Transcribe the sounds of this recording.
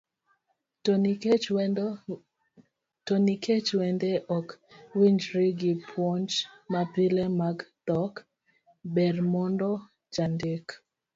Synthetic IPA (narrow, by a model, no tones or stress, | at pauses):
tɔnikʰet͡ʃwɛndɛʔɔkwiɲd͡ʒɾiɡipʰwɔnt͡ʃmapilɛmaɡd̥ɔk | bɛrmɔndɔ | d͡ʒandɪk